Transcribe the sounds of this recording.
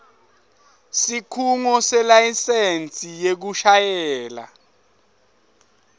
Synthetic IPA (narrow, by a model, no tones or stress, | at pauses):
sikʰuŋɔsɛlajisent͡sʼijek̬uʃajɛːla̰